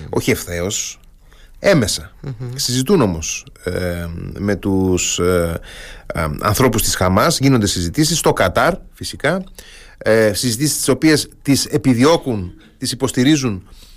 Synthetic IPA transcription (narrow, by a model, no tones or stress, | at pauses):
o̞̰çie̞fθe̞o̞s | e̞me̞sɐsizit̪uno̞mo̞s | me̞t̪us | ɐ̰nθɾo̞pust̪i̥sxɐmɐzʝino̞nd̪esizit̪isist̪o̞kɐt̪ɐɾfisikɐ | sizit̪isist̪iso̞pie̞st̪ise̞piðio̞kun | t̪isipo̞st̪iɾizun